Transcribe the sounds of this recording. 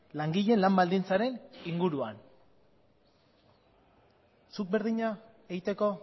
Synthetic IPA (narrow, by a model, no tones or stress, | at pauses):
laŋɡiʎe̞nlambald̪int͡saɾe̞niŋɡuɾuan | suk̚be̞ɾðiɲa | eɣit̪e̞ko̞